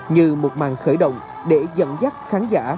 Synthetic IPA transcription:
ɲɨ˧mo˨˩t̚ma̰ː˧˨ŋxəː˧˩jɗə̰˧˨wŋ͡m | ɗe˧˩zə̰˧˨nza˦˥k̚xaː˨˦nzaː˧˥

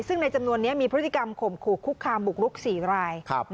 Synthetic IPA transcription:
sɯ˥˩ŋna˧jt͡ɕa˧mnu˧ənːi˦˥ɐmiː˧pʰɾɯ˦˥t̪ːi˨˩ka˧mkʰo˨˩˦mkʰuː˨˩kʰːu˦˥kʰːaː˧mbu˨˩k̚ɾu˦˥k̚siː˩˦ɾaː˧jkʰ

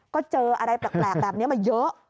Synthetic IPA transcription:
kɔ˨˦t͡ɕəː˧ʔəː˨˩ɗə˧jt̪ə˨˩k̚laː˨˩p̚laː˨˩m̚ne˨˦wmaː˨˩jəː˨˦

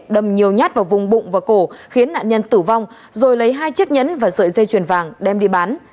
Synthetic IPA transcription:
ɗə˨˩mɲi˨˩əwɲaː˦˥t̚vaː˨˩wvʊ˨˩ŋ͡mɓʊ̰˧˨ŋ͡mvaː˨˩ko˧˩xi˨˦ənːa̰ː˧˨nɲə˧nt̪ɨ˧˩va˧wŋ͡m | zo˨˩jlə˨˦jɦaː˧jt͡ɕɨ˦˥ək̚ɲə̰˧˥nvaː˨˩zɨ̰ː˧˨jzə˧jt͡ɕwi˨˩ənvaː˨˩ŋɗɛ˧mɗi˧ɓaː˨˦n

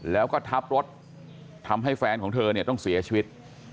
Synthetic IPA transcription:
lɛː˦˥wkɔː˥˩t̪ʰa˦˥p̚ɾo˦˥t̪̚ʰ | a˧mɦa˥˩jfɛː˧nkʰɔː˩˦ŋt̪ʰɤː˧ni˥˩ɐt̪ɔ˥˩ŋsi˩˦ɐt͡ɕʰi˧wi˦˥t̪̚

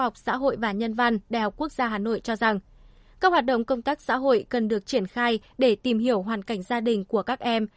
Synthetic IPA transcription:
a˨˩wk͡p̚sa̰ː˧˥ɦo̰˧˨jvaː˨˩ɲə˧nva˧nɗa̰ː˨jhɔ˨˩k͡p̚ku˦˥ək̚z̥aː˧ɦaː˨˩no̰˧˨jt͡ɕɔ˧za˨˩ŋ | kaː˦˥k̚hwaː˨˩t̚ɗə̰˧˨wŋ͡mkə˧wŋ͡mt̪aː˦˥k̚sa̰ː˧˥ɦo̰˧˨jkə˨˩nɗɨ˨˩ək̚t͡ɕi˧˩ənxaː˧j | ɗe˧˩t̪i˨˩mɦi˧˩əwɦwaː˨˩nka˧˩jŋ̟zaː˧ɗï˨˩ŋ̟ku˧˩əkaː˦˥k̚ʔɛ˧m

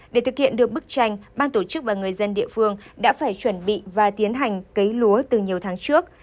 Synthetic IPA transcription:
ɗe˧˩t̪ʰɨ˨˩k̚hḭ˧˨ənɗɨ˨˩ək̚ɓɨ˦˥k̚t͡ɕa˧jŋ̟ɓaː˧nt̪o˧˩t͡ɕɨ˦˥k̚vaː˨˩ŋɨ˨˩əjzə˧nɗḭ˧˨əfɨ˧əŋɗa̰ː˧˥faː˧˩jt͡ɕwə˧˩nɓḭ˧˨vaː˨˩t̪i˨˦ənɦa˨˩jŋ̟kə˨˦jlu˨˦ət̪ɨ˨˩ɲi˨˩əwt̪ʰaː˨˦ŋt͡ɕɨ˦˥ək̚

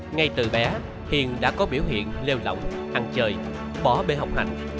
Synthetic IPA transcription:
ŋa˧jt̪ɨ̰˨˩ɓɛ˨˦ | hḭ˨ənɗa̰ː˧˥kɔ˨˦ɓi˧˩əwɦḭ˧˨ənle˧wlə̰˧˨wŋ͡m | haː˨˩ŋt͡ɕəː˨˩j | ɓɔ˧˩ɓe˧˩ɦa˨˩wk͡p̚ha̰˧˨jŋ̟

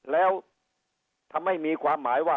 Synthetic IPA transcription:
lɛː˦˥w | t̪ʰa˧mːa˥˩jmiː˧kʰwaː˧mːaː˩˦jwaː˥˩

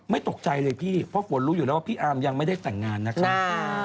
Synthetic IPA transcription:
ma˥˩jt̪o˨˩k̚t͡ɕa˧jlɤː˧jpʰiː˥˩pʰɔ˦˥kʰu˨˩˦ənɾu˦˥juː˨˩ɛː˦˥wa˥˩pʰiː˥˩ʔaː˧mja˧ŋma˥˩jda˥˩jt̪ɛ˨˩ŋːaː˧nːa˦˥kʰa˦˥p̚

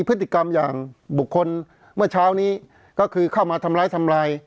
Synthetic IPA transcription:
pʰɯ˦˥t̪ʰːi˨˩ka˧mjaː˨˩ŋbu˨˩kʰːo˧n | mɯ˥˩ɐt͡ɕʰaː˦˥wniː˦˥ | kɔː˥˩kʰɯː˧kʰa˥˩wmaː˧t̪ʰa˧mlaː˧jt̪ʰa˧mlaː˧j

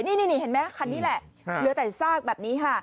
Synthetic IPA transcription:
niː˧˩niː˧˩niː˧˩he˩˦nmɛː˦˥˧kʰa˧nːiː˦˥lɛ˨˩ʔ | lɯ˨˦t̪aː˨˩jsaː˥˩k̚bɛː˨˩p̚niː˦˥kʰa˥˩

